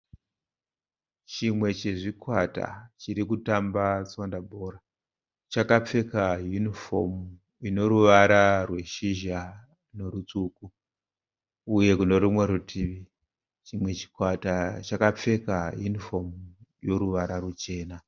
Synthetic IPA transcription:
t͡ʃimwe̞t͡ʃeʐikwata̰t͡ʃiɾikutambat͡sondabʱo̞ra | t͡ʃakap͡fe̞kajunifo̞m | ino̞ɾuʋaɾarwe̞ʃiʒa | no̞ɾut͡suːku | je̞kuno̞ɾimwe̞ɾutʰiːʋi | t͡ʃimwe̞t͡ʃi̥kwatat͡ʃakap͡fe̞kajunifo̞mjo̞ɾuʋaɾarut͡ʃe̞ːna

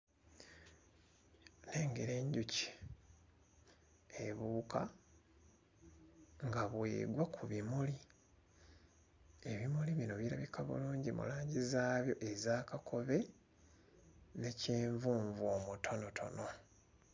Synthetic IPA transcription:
ne̞ːŋɡeɾe̞ɲɟuci̥ | eβuːkʰa | ŋɡaβwḛːɡwakʰuβimuli | eβimuliβino̞βiɾa̰βikʰaβṵluːɲɟimṵlaːɲɟizaːβjo̞̰ʔe̞zaːkakʰo̞βe̞ | neceːɱvuːɱvoːmutʰo̞no̞tʰo̞̰no̞

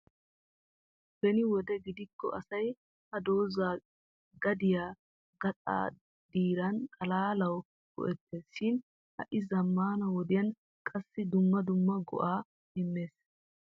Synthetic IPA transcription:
b̥ɛnɪwɔd̪ɛɡɪd̪ɪkːɔ̰ʔɐsɐj | hɐd̪oːzaː | ɡɐd̪ɪjaː | ɡɐt̪ʼa̰ː | d̪iːɾɐnt̪ʼɐlaːlɐw | ɡ̥ɔ̰ʔɛt̪ːeːsʃɪn | hɐ̰ʔɪzɐmːaːnɐwɔd̪ɪjɐn | kʼɐsːɪd̪ʊmːɐd̪ʊmːɐɡɔ̰ʔaː | hɪmːeːs

